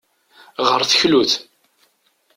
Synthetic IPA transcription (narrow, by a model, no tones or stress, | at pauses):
ʁəɾθəçluθ